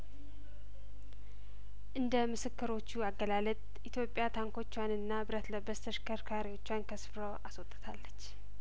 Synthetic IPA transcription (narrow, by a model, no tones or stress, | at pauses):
ʔɨnd̪əmɨsɨkːɨɾo̞t͡ʃːuaɡːəlalət̪ʼ | it̪ʰjo̞pʼjat̪ʰaŋko̞t͡ʃːwanɨnːabɨɾət̪ləbːəst̪ʰəʃkʰəɾkʰaɾiwo̞t͡ʃːwankʰəsfɨɾoʔaswot̪ʼːɨt̪ʰalːət͡ʃː